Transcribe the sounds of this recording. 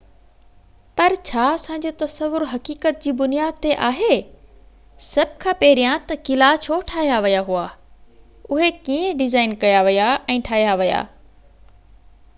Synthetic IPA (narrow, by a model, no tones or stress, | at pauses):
pɐɾt͡ɕʰaːɐsãːɲ̆d͡ʑoːt̪ɐsəʋːʊɾɦɐkiːkət̪̚d͡ʑiːbʊnijaːd̪̚t̪eʔaːɦe | sɐb̚ʱkʰãːpɐɦɪɾijãt̪ɐkɪlat͡ɕʰoʈʰaːɦijaʋɐjaɦuaː | ʊɦekiẽɖɪzaːɪnkɐjaʋɐjaʔɛ̃ːʈʰaːɦijaʋɐja̰ː